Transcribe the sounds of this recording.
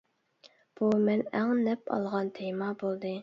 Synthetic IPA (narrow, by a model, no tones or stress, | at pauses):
b̥umɛnæŋnɛpʰɑ̰lˠʁɑnt̪ʰejmɑbolˠd̪ɨ